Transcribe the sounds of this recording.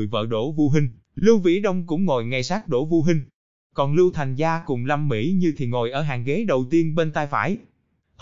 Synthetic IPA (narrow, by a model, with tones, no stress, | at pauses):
jvə̰ː˧˨ɗo̰˧˩vu˧ɦï˧ŋ̟ | lɨ˧wvḭ˧˥ɗə˧wŋ͡mkʊ̰˧˥ŋ͡mŋo˨˩jŋa˧jsaː˦˥t̚ɗo̰˧˩vu˧ɦï˧ŋ̟ | kɔ˨˩nlɨ˧wt̪ʰa˨˩jŋ̟zaː˧kʊ˨˩ŋ͡mla˧mːḭ˧˥ɲɨ˧t̪ʰi˨˩ŋo˨˩jʔəː˧˩ɦaː˨˩ŋɣe˨˦ɗə˨˩wt̪i˧ənɓe˧nt̪aː˧jfa̰ː˧˩j